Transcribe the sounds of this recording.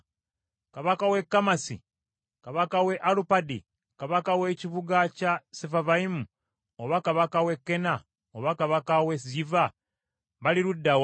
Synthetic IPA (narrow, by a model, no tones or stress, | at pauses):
kaβakawe̞kːamasḭ | kaβakawe̞ʔalupadi | kaβakaweciβuɡacasefavaimu | oβakaβakawe̞kːe̞na | oβakaβakawesiva | βaliɾudːaw